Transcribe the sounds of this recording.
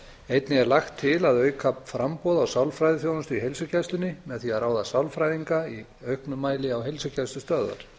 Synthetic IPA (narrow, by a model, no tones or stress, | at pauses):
ejt̪nɪɛɾlaxt̪ʰːɪlaðœːɥkʰapfɾampɔðawsawlfɾajðɪθjoːwðʏnst̪ʏiɦejlsʏcʰɛst̪ʏnɪmɛðθiaɾaːwðasawlfɾajðiŋkai | œɥhknʏmaːjlɪawɦejlsʏcʰast̪ʏst̪œːða̰ɾ̥